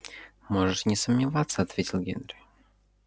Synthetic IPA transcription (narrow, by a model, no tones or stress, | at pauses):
mɔʐɛʂnʲɛsəmɲʲɪvat̪sːɐːt̪vʲet͡ɕʲilˠɡʲɛnɾɨ